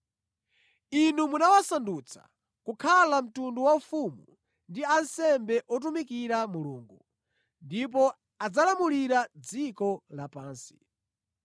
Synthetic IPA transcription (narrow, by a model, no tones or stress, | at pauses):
inumunawasandut͡sʰḁ̰ | kukʰalam̩tunduwaufumu | ndiansɛmbɛʔɔt̬umikiɾamuluːŋɡu | ndip̬ɔ | ad͡zalamuliɾad͡zikɔlapaːnsi̥